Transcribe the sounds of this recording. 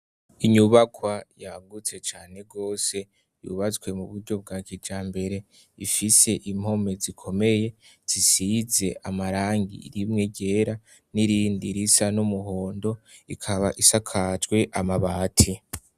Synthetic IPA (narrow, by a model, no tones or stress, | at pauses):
iɲuβakʰwajaɡut͡se̞t͡ʃaːne̞ɡo̞ːse̞ | jṵβat͡swe̞muβuɾɟo̞b̚ɡaːkid͡ʒaːmbe̞ɾe̞ | ifise̞ʔim̥ho̞me̞zikʰo̞me̞je̞ | z̥isize̞ʔamaɾaːŋɡḭɾimŋe̞ɟe̞ɾa | niɾiːndiɾisanumuɦo̞ːndo̞ikʰaβaʔisakʰad͡ʒɡwe̞ʔamaβaːtʰi